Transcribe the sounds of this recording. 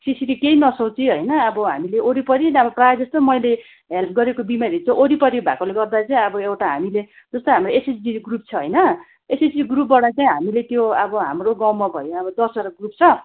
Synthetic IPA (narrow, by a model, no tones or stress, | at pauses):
sisiɾikeinʌsot͡siɦʌjnʌːbʌɦamileʔoɾipʌɾinʌbʌprajd͡zʌst̪omʌjle | ɦelpʰɡʌɾekobimaɾit͡sʌ̃ʔoɾipʌɾibʱakoleɡʌrd̪at͡saĩʌbʌewʈaɦa̰mile | d͡zʌst̪oɦamroesesdiɡrup̚t͡sʰʌɦʌjnʌ | esesdiɡrup̚baɽat͡saĩɦamilet̪joʌbʌɦa̰mroɡawmabʱʌjoʌbʌd̪ʌsʌɾʌɡrup̚t͡sʰʌ